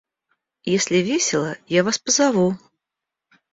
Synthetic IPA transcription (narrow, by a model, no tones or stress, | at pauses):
jesʲlʲɪvʲesʲɪlˠəjavaspəzavu